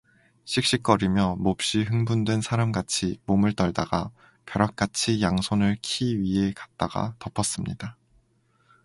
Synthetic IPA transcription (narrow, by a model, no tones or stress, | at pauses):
ɕʰik̚ɕ͈ik̚k͈ʌɾimjʌmop̚ɕ͈iɦɯŋbundwe̞nsʰaɾamɡat͡ɕʰimomɯɭt͈ʌɭdaɡa | kjʌɾak̚k͈at͡ɕʰijaŋsʰonɯɭkʰiɥiɦe̞kḁt̚t͈aɡ̥a̰tʌpʰʌs͈ɯmɲḭda